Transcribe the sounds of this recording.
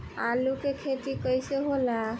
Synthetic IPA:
alukekʰet̪ikəjseɦola

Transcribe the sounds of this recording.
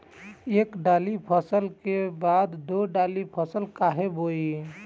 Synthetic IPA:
ekɖalipʰəsəlkebad̪d̪oɖalipʰəsəlkaɦeboi

